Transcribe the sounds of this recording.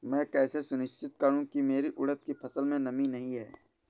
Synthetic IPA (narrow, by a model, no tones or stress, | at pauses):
mɛ̃ːkɛːsesʊnɪʃt͡ʃɪt̪̚kəɾũkimeːɾiʔʊɽət̪̚kipʰɐsəlmẽnɐminɐɦĩɦɛ̰ː